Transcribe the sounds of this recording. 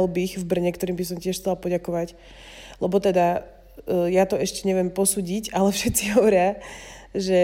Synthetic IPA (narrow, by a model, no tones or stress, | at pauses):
lbixvbr̩ɲɛkt̪ɔɾiːmbis̬ɔmcɪɛʃxt͡sɛlapɔɟakɔʋac | lɛbɔt̪ɛd̪a | jat̪ɔɛʃcɛɲɛʋɪɛmpɔsuːɟicalɛfʃɛt̪t͡siɦɔʋɔɾɪa | ʒɛ